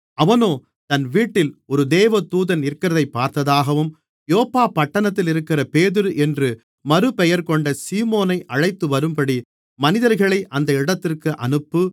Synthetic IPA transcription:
ɐʋɐnoː | t̪ɐnʋiːʈːɪlɔɾɯd̪eːʋɐt̪uːðɐnɪɾkːɪɾɐðɐɪpːaːɾt̪ɐðaːɣɐʋɯm | joːpːaːpːɐʈːɐnɐt̪ːɪlɪɾɯkːɪrɐpeːðɯɾɯʔɛndrɯ | mɐɾɯpɛjɐɾkɔɳɖɐsiːmoːnɐɪʔɐɻɐɪt̪ːɯʋɐɾɯmpɐɽi | mɐnɪðɐɾɣɐɭɐɪʔɐnd̪ɐɪɽɐt̪ːɪrkɯʔɐ̰nɯpːɯ

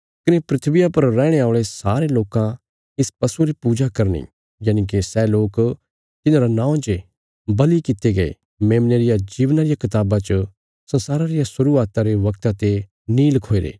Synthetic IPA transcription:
kɪnepɾɪt̪ʰʋɪjapɐɾːɛ̃ːɽ̃eaːʊɭesaːɾeloːkã | ɪspɐsuɾipuːd͡ʒakɐɾnḭ | jaːnik̬isɛːloːk | t̪ɪnãɾanãːd͡ʒe | bɐlikɪt̪eɡɐḛ | meːmneɾɪjad͡ʒiːʋnaɾɪjakɪt̪aːbat͡ʃə | sɐ̃nsaːɾaɾɪjasʊɾuːaːt̪aɾeʋɐkt̪at̪e | niːlkʰoːeɾḛː

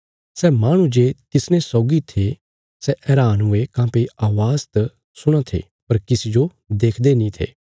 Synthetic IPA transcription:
sɛːmaːɽ̃ũd͡ʒeːt̪ɪsnẽsɔːɡit̪ʰe | sɛʔɛːɾaːnʊekãːpeaːʋaːzt̪ | sʊɽ̃ãt̪ʰḛ | pɐɾkɪsid͡ʒo | d̪eːkʰd̪enĩt̪ʰḛː

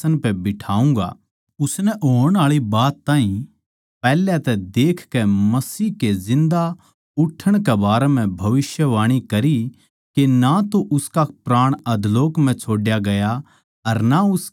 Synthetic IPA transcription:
ənpɛbɪʈʰaːũːŋ̆ɡa̰ | ʊsnɛʔoːəɽ̃aːɭibaːt̪ːãːɦĩ | pɛːlɛt̪ɛd̪eːkʰkɛmɐsiːɦkezɪ̃nd̪a | ʊʈʰːəɽ̃kɛbaːɾɛm̤ɛ̃bʱɐʋɪsjəʋaːɽ̃ikɐɾi | kenat̪oʔʊskapɾaːɽ̃ɐd̪ʱloːkm̤ɛ̃t͡ʃʰoːɖjaɡɐja | ɐɾnaʊs

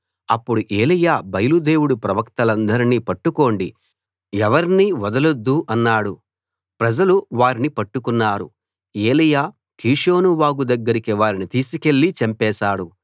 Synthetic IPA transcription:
ɐpːuɽuʔe̞ːlijaːbɐjɐlud̪e̞ːwuɽupɾɐʋɐkt̪ɐlɐnd̪ɐɾiniːpɐʈːuko̞ːɳɖi | ɛʋɐɾniʋɐd̪ɐlod̪ːuʔɐnːaːɽu | pɾɐd͡ʒɐluʋaːɾinipɐʈːukunːaːɾṵ | e̞ːlijaː | kiːʂo̞ːnuʋaːɡud̪ɐɡːɐɾikiʋaːɾinit̪iːsike̞ɭːit͡ʃɐmpɛːʃaːɽu

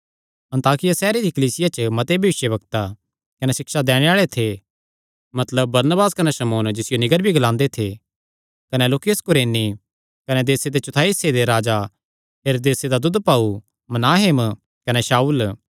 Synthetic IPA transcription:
ɐ̃nt̪aːkɪjasɛːɾed̪ikɐliːsɪjat͡ʃəmɐt̪ebʱjɐʋɪʃjəbɐkt̪a | kɐnesɪkʃad̪ɛːɽ̃eaːɭet̪ʰe | mɐt̪ləb̚ːɐɾnəbaːskɐneʃɐmoːnd͡ʒɪsɪjonɪɡəɾbʱiɡɐlãːnd̪et̪ʰe | kɐneloːkjəskʊɾeːni | kɐned̪eːsed̪et͡ʃʊt̪ʰaːised̪eɾaːd͡ʒa | ɦeːɾoːd̪eːsed̪ad̪ʊd̪paːu | mɐnaːɦɪm | kɐneʃaːuːl

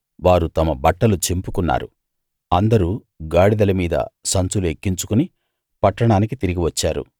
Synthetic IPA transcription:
ʋaːɾut̪ɐmɐbɐʈːɐlut͡ʃempukunːa̰ːɾṵ | ɐnd̪ɐɾu | ɡaːɽid̪ɐlɐmiːd̪ɐ̰sɐnt͡suluekːiɲt͡ʃu̥kuni | pɐʈːɐɳaːnikit̪iɾiɡiʋɐt͡ʃːaːɾṵ

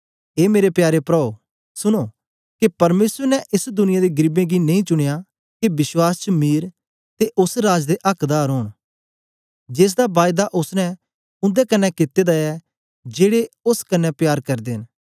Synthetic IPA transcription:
eːmeːɾepjaːɾepɾɔːo | sʊɽ̃o | kepɐɾmeːsəɾnɛʔɪsd̪ʊnɪjad̪eɡɾɪbẽɡinẽĩt͡ʃʊɽ̃eja | kebɪswaːst͡ʃəmiːɾ | t̪eʔʊsɾaːd͡ʒd̪eʔɐkʰd̪aːɾɦʊːɽ̃ | d͡ʒeːs̬d̪abaːjɪd̪aʔʊsnɛ̃ | ʊ̃nd̪ɛkɐnːɛkɪt̪ːed̪aɛ | d͡ʒeːɽeʊskɐnːɛpjaːɾkɐɾd̪eɦn

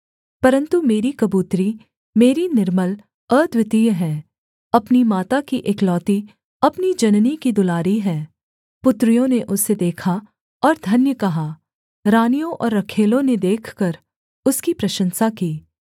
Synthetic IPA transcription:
pɐɾə̃nt̪umeːɾikɐbuːt̪ɾi | meːɾinɪɾməl | əːd̪wɪt̪ijɦɛ̃ː | ɐpnimaːt̪akiʔeːklɔːt̪i | ɐpnid͡ʒɐnnikid̪ʊlaːɾiɦɛː | pʊt̪ɾijõneʔʊsːed̪eːkʰa | ɔːɾd̪ʱɐnjəkɐɦa | ɾaːnijõʔɔːɾːɐkʰeːlõned̪eːkʰkɐɾ | ʊskipɾɐʃə̃nsakiː

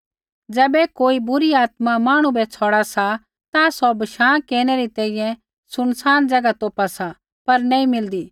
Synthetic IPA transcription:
d͡zɛːbɛkoːibʊɾiaːt̪mamaːɽ̃ũbɛt͡sʰɔːɽasa | t̪asɔbɐʃãːkeːñɛɾit̪ɛ̃ːĩjɛ̃ | sʊñsaːnd͡zɐɡat̪oːpasa | pɐɾnɛ̃ːĩmɪld̪iː

